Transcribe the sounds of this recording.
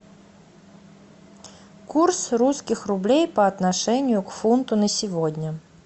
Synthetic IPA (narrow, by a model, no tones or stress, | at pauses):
kursruskʲɪxrʊblʲejpəɐt̪naʂɛnʲɪjʊkfunt̪ʊnəsʲɪvodʲnʲə